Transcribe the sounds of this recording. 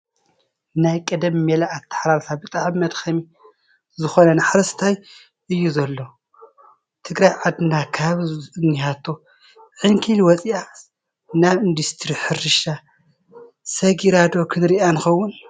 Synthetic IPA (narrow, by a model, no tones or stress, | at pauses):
najkʼɐd̪ɐmimelaat̪ʰːḁħɾaɾt̪ʰabɨt̪ʼaʕmɐd̪xɐmi | zɨxo̞nɐnaħaɾɐst̪ʰaj | ʔɨjːuzɐlːo̞ | t̪ʰɨɡɾajʕad̪ɨnakʰaβɨnːihat̪ʰːo̞ | ʕɨŋkʰilwɔt͡sʼia | naβɨnd̪ust̪ʰɾiħɨɾɨʃa | sɐɡiɾad̪o̞kʰɨnɾiʔanɨxɐwːun